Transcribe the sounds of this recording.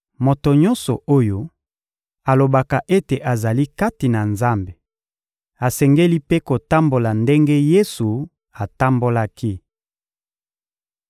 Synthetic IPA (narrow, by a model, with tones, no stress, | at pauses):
mo˨to˨ɲɔ˦nsɔ˨o˦jo˦ | a˨lo˨ba˨ka˨ʔe˦te˨ʔa˨za˨li˦ka˦ti˨na˨nza˦mbe˨ | a˨sɛ˨ŋɡe˦li˦pe˦ko˨ta˦mbo˨la˨nde˦ŋɡe˦je˦su˨ | a˨ta˦mbo˦la˦ki˦